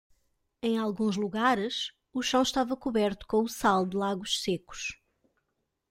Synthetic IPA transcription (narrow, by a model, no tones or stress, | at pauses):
ẽj̃alˠɣũʒlˠuɣaɾɨʃ | uʃɐ̃w̃ʃt̪avɐkuβɛɾt̪u̥kõusalˠd̪ɨlˠaɣuʃseku̥ʃ